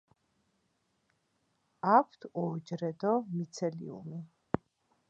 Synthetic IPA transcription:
apʰt̪ʰɔd͡ʒɾɛd̪ɔmit̪sʰɛlḭṵmi

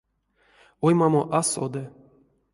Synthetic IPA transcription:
ojmamoʔaso̰d̪ɨ

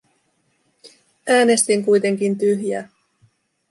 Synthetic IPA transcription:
æːne̞st̪iŋkujt̪e̞ŋk̟int̪yɦjæː

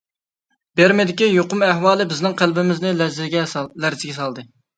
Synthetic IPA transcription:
b̥eɾmɪd̪ɪkʲijoqʊmæhwɑːlˠɨbɪznɪŋqʰælbɪmɪznɪlzɪɡʲɛlæɾzɪɡʲɛs̬ɑlˠd̪ɨ

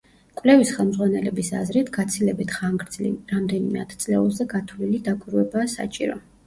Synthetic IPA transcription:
kʼwvlɛvisχɛlˠmdzʁwanɛlɛbisa̰zɾit̪ʰɡ̥at̪sʰilɛbit̪ʰχaŋɡɾd̪zlḭɾamd̪ɛnimɛat̪ʰt̪sʼlɛulˠzɛɡat̪ʰlilid̪akʼwiɾuɛbaːsa̰t͡ʃʼiɾɔ̰

